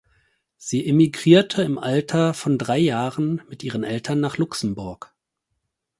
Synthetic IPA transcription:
z̥iːʔɪmiɡʁiːɐtʰəɪmʔaltʰɐfɔndʁaɪjaːʁənmɪtʔiːʁ̞ənʔɛltʰɐnːaːχlʊksm̩bʊɐk

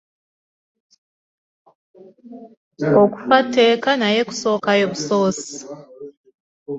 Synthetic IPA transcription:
oku̥fate̞ːkanajeku̥so̞ːkajoβusoːsi̥

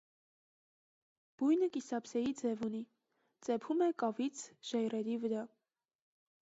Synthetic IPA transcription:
b̥ujnəkisɑpsɛjid͡zɛvuni | t͡sɛpʰumɛkɑvit͡sʰʒ̥ɛjrɛɾivəɾɑ

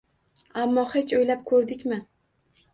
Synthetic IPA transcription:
amːɒhet͡ʃʰojlap̚kʰɵɾd̪ɪkʲmɪ

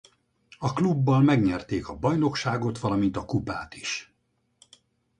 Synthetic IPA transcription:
ɒklubːɒlmɛɡɲɛrt̪eːkɒbɒjno̞kʃaːɡo̞t̪ʋɒlɒmint̪ɒkupa̰ːt̪i̥ʃ

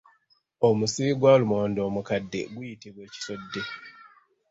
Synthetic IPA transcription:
omusiiɡwaːlumoːndo̞ːmukadːe̞̰ɡujitiβwe̞ːci̥so̞dːe̞

